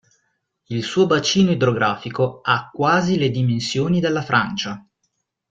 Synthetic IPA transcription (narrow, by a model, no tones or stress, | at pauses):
ilsuːobat͡ʃiːnoid̪ɾoɡɾaːfikoakːwaːziled̪imensjoːnid̪elːafɾʔa̰nt͡ʃa